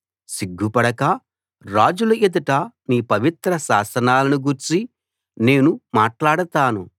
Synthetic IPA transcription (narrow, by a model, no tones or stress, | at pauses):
siɡʱːupɐɽɐkɐ | ɾaːd͡ʒulɐʔid̪ɐʈɐniːpɐʋit̪ɾɐʃaːsɐnaːlɐnuɡuɾt͡ʃi | ne̞ːnumaːʈlaːɽɐt̪aːnu